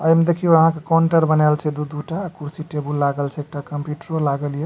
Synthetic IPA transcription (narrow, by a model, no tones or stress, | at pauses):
əjmed̪ekʰijoəɦãkekɔɳʈəɾbənalt͡ʃʰɛd̪ud̪uʈaːkʰuɾsiʈebulːaɡəlt͡ʃʰɛeːk̚ʈakəmpjuʈɾolaɡəlje